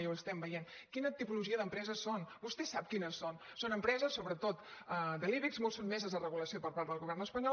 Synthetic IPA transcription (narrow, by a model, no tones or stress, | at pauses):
wəst̪ɛmbəjen | kinət̪ipuluʒiəðəmpɾɛzəsːonbust̪ɛsap̚kinəsːon | sonəmpɾɛzəsːoβɾət̪ot̪əd̪əliβikzmolˠsonmezəzðərəɣuləsiopəɾpaɾt̪d̪əlˠɣuβɛrnəspəɲɔ